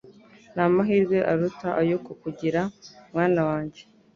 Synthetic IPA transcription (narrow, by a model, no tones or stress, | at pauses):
naːmaɦiːɾɡwe̞ʔaɾutaʔajokukuɟiɾamŋaːnawaːɲɟe̥